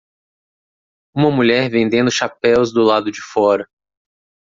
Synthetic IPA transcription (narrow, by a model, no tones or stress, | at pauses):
ũmɐmuʎɛɾvẽnd̪ẽnd̪ʊʃapɛwzd̪ʊlad̪ʊd͡ʒɪfɔɾɐ